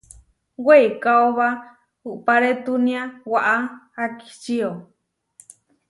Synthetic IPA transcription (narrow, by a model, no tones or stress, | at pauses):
weikaoβa | uʔpaɾet̪unĩawaʔaaki̥t͡ʃio